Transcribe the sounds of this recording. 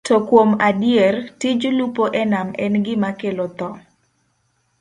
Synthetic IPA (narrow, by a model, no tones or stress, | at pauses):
tɔkwomadɪɛrtɪd͡ʒlupoʔɛnamɛnɡɪmakelot̪ɔ